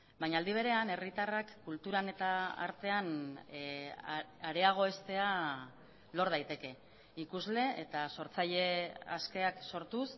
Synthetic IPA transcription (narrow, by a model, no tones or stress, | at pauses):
baɲald̪iβ̞e̞ɾe̞ane̞rit̪arakːult̪uɾane̞t̪aa̰ɾt̪e̞an | aɾe̞aɣ̞o̞e̞st̪e̞a | lo̞ɾð̞ajt̪e̞ke̞ | ikuzle̞ʔet̪aso̞ɾt͡saʎe̞a̰ske̞akso̞ɾt̪us